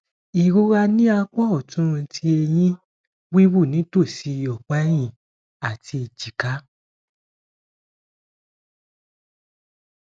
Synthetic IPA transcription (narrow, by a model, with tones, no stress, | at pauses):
i˨ɾo˦ɾa˧nĩ˦a˧k͡pɔ˦ɔ˦˨tũ˦˧tʰi˦e˧jĩ˦ | wi˦wu˦˨nĩ˨˦to˦˨si˨˧jɔ˨k͡pa˨˦j̃ĩ˦˨ | a˨tʰi˧i˨d͡ʒi˨ka˨˦